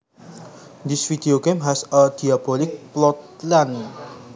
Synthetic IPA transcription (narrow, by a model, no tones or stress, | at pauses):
d̪isfid̪eoɡemɦasəd̪̥iab̥olɪk̚plɔt̪lan